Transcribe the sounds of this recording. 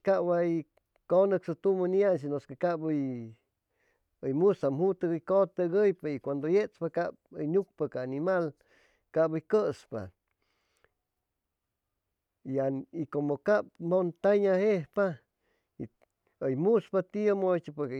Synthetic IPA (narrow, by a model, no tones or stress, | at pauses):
kaʔwaj | konəksot̪umanians̬inoskekabəj | əjmusamhut̪aɡəjkot̪aɡəjpaikʷand̪ojet͡spakabəjnuk̚pakaːnimal | kabəjkəspa̰ | iaikomokap̚mont̪aɲahehpa | i | əjmuspat̪iomot͡ʃipa